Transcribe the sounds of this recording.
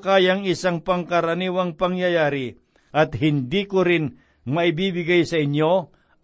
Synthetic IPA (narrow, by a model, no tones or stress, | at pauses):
kaːjaŋɪsaŋpɐŋkɐɾɐniːwɐŋpɐŋjɐjaːɾɪ | ʔɐt̪hɪnd̪ikʊɾɪn | mɐʔɪbiːbɪɡajsɐʔɪɲjo